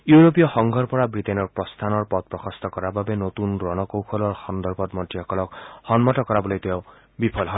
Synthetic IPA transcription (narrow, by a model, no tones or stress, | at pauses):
juɹop̬ijɔxɔŋɡʱɔɹpɔɹabɹitenɔɹpɹɔst̪ʰanɔɹpɔt̪̚pɹɔxɔst̪ɔkɔɹababenot̪unɹɔnɔkowkʰɔlɔɹxɔnd̪ɔɹbɔt̪mɔtːiɔkɔlɔkhɔnmɔtɔkɔɾabɔlojteʊ | bipʰɔlɦɔ